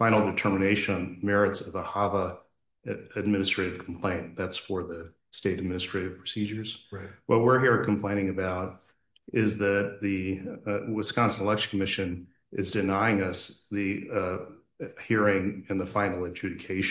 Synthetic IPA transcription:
fãɪ̃nl̩ˠdɨtʰɜ˞mɨneɪʃə̃nmɛɹɨtsʌvəhɑvə | ɨd̚mɪ̃nɨstɹ̥eɪɾɨv̥kʰm̩pʰl̥ẽɪ̃nðætsfə˞ðɨ | steɪɾɨd̚mɪ̃nɨstɹ̥eɪɾɨv̥pʰɹ̥ɨsid͡ʒə˞z̥wʌt̚wɪɹɦiɹkʰm̩pʰl̥ẽɪ̃ñɪ̃ŋɨbaʊɾ | ɪzðɨt̪̚ðɨ | wɨskɑ̃nsənəlɛkʃnkʰəmɪʃɨ̃n | ʔɪ̰zdɨnaɪɪ̃ŋʌsðɨ | hiɹɪ̃ŋɨ̃nðəfãɪ̃nl̩ˠɨd͡ʒʉɾɨkʰeɪʃ

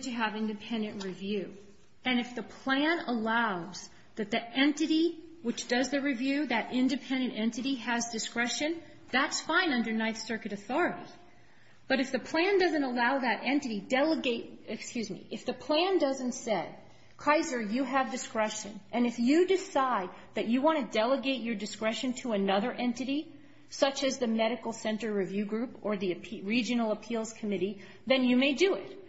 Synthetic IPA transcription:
tʰɨəvɪ̃ndɨpʰɛ̃ndɨ̃nʔɹivjʉ | ɨ̃nɨfðəpʰl̥æ̃nəlaʊz̥ | ðɨt̪̚ðiɾɛ̃ntɨɾiwɨt͡ʃd̥ʌzðɨɹivjʉðɨɾʔɪ̃ndɨpʰɛ̃ndɨ̃ntɛ̃ntɨɾiɨzdɨskɹɛʃɨ̃n | ðætsfãɪ̃nʌ̃ndə˞naɪθsɜ˞kɨɾɨθɔɹɨɾḭ | b̥ʌɾɨfðɨpʰl̥æ̃ndʌzɨ̃ntəlaʊðɨɾʔɛ̃ntɨɾidɛlˠəɡeɪt̚ɨkskjʉzmḭʔɨfðɨpʰl̥æ̃ndʌzɨ̃n̩tsɛd̚ | kʰaɪzə˞jɨəvdɨskɹɛʃɨ̰̃nʔɨ̃nɨfjɨdɨsaɪd̪̚ðɨt͡ʃɨwɑ̃ɾ̃ɨdɛlˠəɡeɪt͡ʃə˞dɨskɹɛʃɨ̃ntʰəɨnʌðə˞ʔɛ̃ntɨɾi | sʌt͡ʃɨzðɨmɛɾɨkl̩ˠsɛ̃ntə˞ɹɨvjʉɡɹʉpə˞ðiɨpʰɹid͡ʒɨnl̩ˠəpʰilˠz̥kʰɨmɪɾi | ðɨ̃njɨmeɪdɨɪt̚

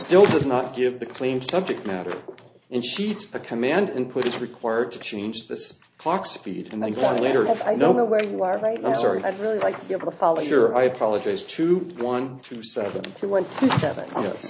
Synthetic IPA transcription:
stɪlˠdʌznət̚ɡ̥ɪvðɨkʰl̥ẽɪ̃msʌb̚d͡ʒɨk̚t̚mæɾə̰˞ | ɨ̃nʃitsɨkʰəmæ̃ndɪ̰̃npʰʊɾɨzɹɨkʰw̥aɪə˞d̚tʰɨt͡ʃʰẽɪ̃nd͡ʒðɨs | kʰl̥ɑkspḭɾɨ̰̃nðɨ̃nɡoʊoə̃nleɪɾə˞aɪdõnːoʊwə˞jɨə˞ɹaɪtⁿnãɪ̃msɑ̰ɹiaɪdɹɪlˠilaɪk̚tʰəbieɪbl̩ˠtʰəfɑlˠoʊʃʃʊɹaɪɨpʰɑlˠəd͡ʒaɪz̥tʰʉwʌ̃ntʰʉsɛvə̰̃ntʰʉwʌ̃ntʰʉsɛ̰vɨ̰̃njɛ̰s

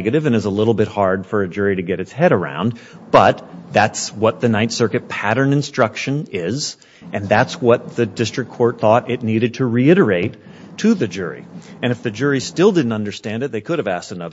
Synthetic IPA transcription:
ɡɨɾɨvɨ̃nɨzəlɪɾl̩ˠbɪt̚hɑɹd̥fə˞ɨd͡ʒʊɹiɾɨɡɛɾɨtshɛɾə˞ã̰ʊ̃n | b̥ʌt̪̚ðætswʌt̪̚ðɨnaɪtsɜ˞kɨt̚pʰæɾə̃˞nɨ̃nstɹ̥ʌkʃɨ̃nɪz | ʔɨ̃nðætswʌt̪̚ðɨdɪstɹ̥ɨkʰɔɹt̪̚θɔɾɪtⁿniɾɨd̚tʰɨɹiɪɾə˞eɪtʰ | ɨðɨd͡ʒʊɹḭɨ̃ɾ̃ɨfðɨd͡ʒʊɹistɪlˠdɪdⁿn̩tʌ̃ndə˞stæ̃ndɨt̪̚ðeɪkʰʊɾɨvæstənʌð

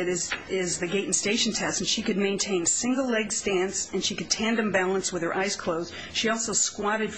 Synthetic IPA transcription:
ɨɾɪzɪzðɨɡeɪʔn̩steɪʃn̩tʰɛsn̩ʃikɨd̚mẽɪ̃ntʰẽɪ̃nsɪ̃ŋɡl̩ˠlɛɡstæ̃nsɨ̃nʃikɨd̚tʰæ̃ndɨ̃mbælˠə̃nswɨð̥ə˞ʔaɪz̥kʰl̥oʊzd̥ | ʃiɔlˠsoʊskwɑɾɨd

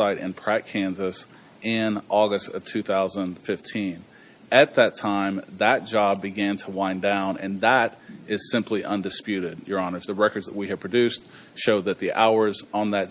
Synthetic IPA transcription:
aɪɾɨ̰̃npʰɹ̥ækʰæ̃nzɨs | ʔɪ̃nʔɔɡɨstʌv̥tʰʉθaʊzə̃nfɪftʰĩn | ɨt̪̚ðɨtʰãɪ̃mðɨt̚d̥ʒ̥ɑb̚bɨɡæ̃ntʰəwãɪ̃ndãʊ̃nɨ̰̃nðəɾʔɪz̥sɪ̃mpʰliʔʌ̃ndɨspjʉɾɪd̚jə˞ɑnə˞zðəɹɛkə˞dzðət̚wiɨd̥̚pʰɹ̥ɨdʉst | ʃoʊðɨt̪̚ðiʔaʊə˞zə̃n̩ðɨt

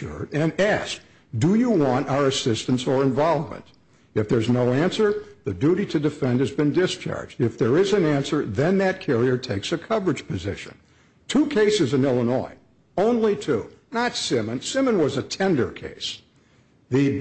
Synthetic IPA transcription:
ʊ̰ɹɾɨ̃næsk | d̥ɨjɨwɑ̃ntaʊə˞ɨsɪstɨ̃n̩sə˞ɨ̃ɱvɑlˠvmə̰̃nt | ɨfðə˞znoʊæ̃nsə˞ðɨdʉɾiɾɨdɨfɛ̃nd̚ɨzbɨ̃ndɪst͡ʃʰɑ̰ɹd͡ʒdɨfðə˞ɪzɨ̃næ̃nsə˞ðɨ̃nðɨt̚kʰɛɹiə˞tʰeɪksɨkʰʌvə˞ɨd̥ʒ̥pʰɨzɪ̰ʃɨ̰̃n | tʰukʰeɪsɨzɨ̃nɪlˠənɔ̰ɪ | õʊ̃nlitʰunətsɪ̃mɨ̃nsɪ̃mə̃nwʌzɨtʰɛ̃ndə̰˞kʰḛɪs | ðɨ

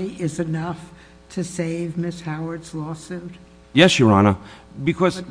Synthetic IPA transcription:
iʔɪzɨnʌf | tʰɨseɪvmɪshaʊə˞dz̥lɔsʉt̚ | jɛsɨɹɑnəbɨkʰʌz

